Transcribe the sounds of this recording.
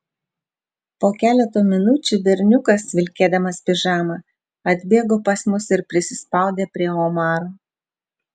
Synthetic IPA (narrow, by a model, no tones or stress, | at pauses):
poːkʲæːlʲɛt̪oːmʲɪnʊt͡ʃʲʊbʲɛɾʲnʲʊkɐsʋʲɪlʲkʲeːd̪ɐmɐspʲɪʒɑːmɐ | ɐd̪ʲbʲeːɡoːpɐsmʊsɪɾpʲɾʲɪsʲɪspɐˑʊd̪ʲeːpʲɾʲiɛoːmɑːɾoː